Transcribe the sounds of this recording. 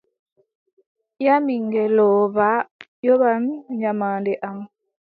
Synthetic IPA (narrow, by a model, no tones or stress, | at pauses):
jamiŋɡɛlɔːβa | jɔβamɲamaːndɛʔam